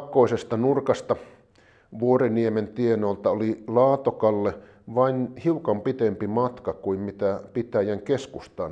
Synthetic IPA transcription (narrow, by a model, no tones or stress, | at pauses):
kːˑoisest̪ɑnurkɑst̪ɑ | ʋuoreniement̪ienolt̪ɑolilɑːt̪okɑlːe | ʋɑinhiukɑmpit̪empimɑt̪kɑkuimmit̪æpit̪æjæŋkeskust̪ɑn